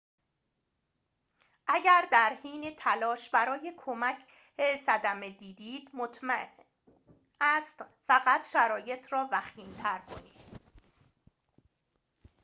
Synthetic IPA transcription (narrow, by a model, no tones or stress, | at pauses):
ʔæɟæɾd̪æɾhiːnet̪ʰælɒːʃbæɾɒːjekʰomæcʰ | esæd̪æme̞d̪iːd̪iːd̪̥mot̪m | æst̪fæɣæt̪ʰʃæɾɒːje̞t̪ʰɾɒːvæxiːnt̪ʰæɾkʰo̞nḭːd̪̥